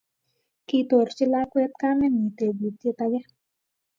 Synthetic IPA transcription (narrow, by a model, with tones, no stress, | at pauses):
ki˧t̪o˨ɾt͡ʃɪ˦la˦kwɛ˦t̪̚ka˦mɛ˦mi˨t̪e˨bi˨t̪e˧t̪a˧ɡɛ˦